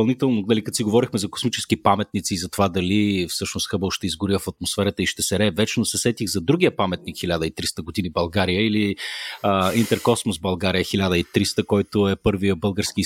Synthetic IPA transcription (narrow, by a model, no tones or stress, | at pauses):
ɐlˠnit̪ɛlˠnonɐlikət̪siɡovɔɾixmɛzɐko̥smit͡ʃɛ̥skipamɛt̪̚nit̪siːzɐt̪ovad̪ɐlifsɤʃnost̪xɤbəlˠʃt̪ɛizɡʊɾiəfɐt̪̚mosfɛɾət̪əiʃt̪ɛsɛɾɛvɛt͡ʃɛnosɛsɛt̪iɣzɐd̪ɾuɡʲiəpamɛt̪̚nikxilʲad̪əit̪ɾist̪əɡod̪inibɐlˠɡaɾijəiliəint̪ɛɾkɔsmosbɐlˠɡaɾijəxilʲad̪əit̪ɾist̪əkɔjt̪ʊɛpɤɾviəbɤlˠɡəɾski